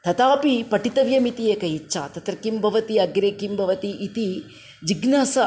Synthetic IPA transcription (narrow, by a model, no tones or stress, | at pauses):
t̪ɐt̪aːpipɐʈit̪ɐʋjɐmit̪ieːkɐjitːʃʰa̰ːt̪ɐt̪ɾɐkimbʱɐʋɐt̪iɐɡɾeːkimbʱɐʋɐt̪iʔːt̪i | d͡ʒiɡnaːsɐ